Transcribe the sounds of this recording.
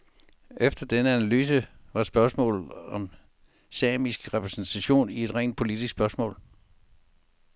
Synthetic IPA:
ʔefd̥ɐd̥enəænælyːs̬əʋɑ̈sb̥ɶɐsmɔ̰̽ːlð̩ˠɒ̽m | sɛːmisɡ̥ʁɛpʰʁɛsn̩t͡sʰæɕo̝̰ːnie̝d̥ʁɛ̰ːnd̥̚pʰo̝lid̥isɡ̥sb̥ɶɐsmɔ̰ːl

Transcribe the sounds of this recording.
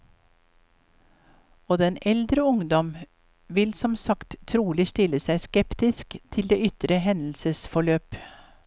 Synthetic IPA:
oːd̪ɛnɛld̪ɾəʊŋd̪ɔm | ʋɪlsɔmsɑkt̪ʰːɾuːlɪst̪ɪləsæɪskɛpt̪ɪskt̪ʰɪld̪eːʏt̪ɾəhɛnl̩səsfɔɭøːp

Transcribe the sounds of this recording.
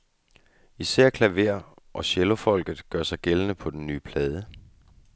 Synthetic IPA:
isæɐ̰kʰlæʋe̝ɐ | ʔɒ̽ɕelo̝fɒ̽l̰ɡ̥ð̞̩ˠɡ̥ɶɐsɑ̈ɪɡ̥elənəpʰɒ̽d̥enːy̰ːpʰlɛːð̞ˠə

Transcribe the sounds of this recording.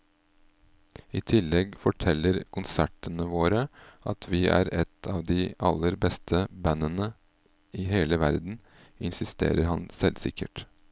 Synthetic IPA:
iːt̪ʰɪlːɛɡfɔʈʰɛlːəɾkʰʊnsæʈənəʋoːɾəʔɑt̪ʰʋɪːæ̰ːɾɛt̪ʰɑːʋd̪iːʔɑlːəɾbɛst̪ʰəbænːənə | iːɦeːləʋæɾd̪n̩ | ɪnsɪst̪ḛːɾəɾɦɑnsɛlsɪ̰kə̰ʈ

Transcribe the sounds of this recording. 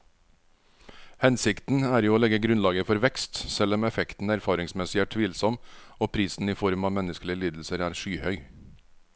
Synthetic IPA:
hɛnsɪkt̪n̩æːɾjuːoːlɛɡəɡɾʉnlɑːɡəfɔɾʋɛkst̪sɛlɔmɛfɛkt̪n̩æɾfɑːɾɪŋsmɛsɪæːʈʰʋiːlsɔmoːpʰɾiːsn̩iːfɔɾmɑːmɛnəskəlɪəliːd̪l̩səɾæːɾʂyːhœʏ

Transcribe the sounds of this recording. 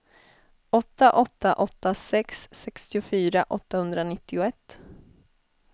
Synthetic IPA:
ɔt̪ːaʔɔt̪ːaʔɔt̪ːasɛksːɛkst̪ɪʊfyːɾaʔɔ̰t̪ːahɵnd̪ɾanɪt̪ːɪʊɛt̪ː

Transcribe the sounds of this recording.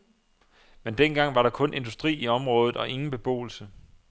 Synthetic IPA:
mend̥enɡ̥ɑ̈ŋ̰ʋɑ̈ɾɑ̈kʰɔ̽nʔe̝nd̥usd̥ʁḭːiɒ̽mʁɔ̽ːð̞ð̩ˠɒ̽ʔe̝ŋn̩b̥e̝b̥o̝̰ːl̩sə

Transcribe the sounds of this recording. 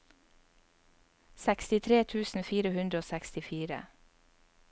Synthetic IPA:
sɛkst̪ɪt̪ʰɾeːt̪ʰʉːsn̩fiːɾəhʉnd̪ɾəoːsɛkst̪ɪfiːɾə̰

